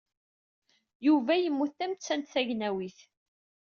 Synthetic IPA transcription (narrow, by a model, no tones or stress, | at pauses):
juvæjəmːuθθæmt͡sːænt̪θæʝnæwiθ